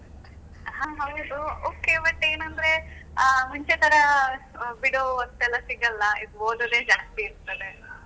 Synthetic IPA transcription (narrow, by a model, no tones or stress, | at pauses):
ɦãːɦɐwd̪uoːkebɐʈːeːnɐnd̪ɾe̞ | muɲt͡ʃet̪ɐɾɐ | biɽoɐst̪ɛlːɐsiɡɐlːɐid̪uoːd̪od̪eːd͡ʒaːst̪iːɾt̪ɐd̪e